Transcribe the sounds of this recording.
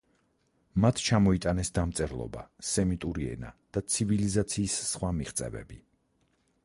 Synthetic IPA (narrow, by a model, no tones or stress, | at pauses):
mat̪ʰt͡ʃʰamɔit̪ʼanɛsd̪amt̪sʼɛɾlˠɔ̰ba̰sɛmit̪ʼuɾiɛ̰na̰d̪̥at̪sʰivilizat̪sʰiːsːχwamiχt̪sʼɛ̰vɛ̰bi